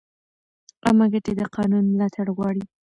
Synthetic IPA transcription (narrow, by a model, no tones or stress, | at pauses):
a̰maɡaʈed̪əqʰɑnunmlɑt̪ʰaɽɣwɑɽi